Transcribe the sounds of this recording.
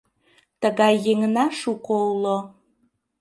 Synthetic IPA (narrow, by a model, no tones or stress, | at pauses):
t̪əɣɑjːeŋnɑʃukoulo